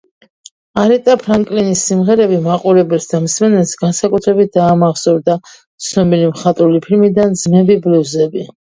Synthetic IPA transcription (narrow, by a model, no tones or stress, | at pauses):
aɾɛt̪ʼapʰɾaŋkʼlinisːimʁɛɾɛbimaqʼuɾɛbɛlsd̪amsmɛnɛlsɡansakʼut̪ʰɾɛbit̪̚d̪aːmaʁsɔɾd̪a | t̪sʰnɔbilimχat̪ʼɾulipʰilmid̪and̪zmɛbibluzɛbi